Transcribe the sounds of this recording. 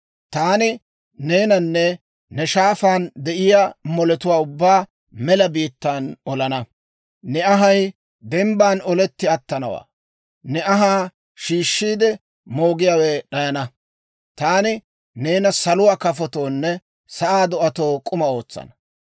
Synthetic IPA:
t̪aːnɪ | ne̞ːnɐnːɛ | nɛʃaːfaːnd̪ɛʔɪjaːmɔlɛt̪ʊwaːʊbːaː | mɛlɐbiːt̪ːaːnɔlɐnɐ | nɛɐɦɐj | d̪ɛmbaːnɔlɛt̪ːɪɐt̪ːɐnɐwa̰ː | nɛʔɐɦaː | ʃiːʃːiːd̪ɛ | moːɡɪjaːweːɗɐjɐnɐ | t̪aːnɪ | ne̞ːnɐsɐlʊwaːkɐfɔt̪o̞ːnːɛ | sɐʔaːd̪ɔʔɐt̪o̞ːkʼʊmɐo̞ːt͡sːɐ̰nɐ̥

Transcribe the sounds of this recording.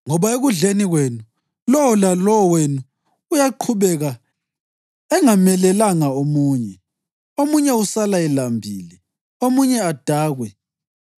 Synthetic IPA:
ŋɔβaeɣuɮeniɣwenu | lɔwɔlalɔwɔwenuː | jaǃʰuβɛɣa | ɛŋamɛlɛlaŋaomuːɲɛ | omuɲɛusalaɛlambʱiːli | omuɲɛad̥ʱaːɣwɛ

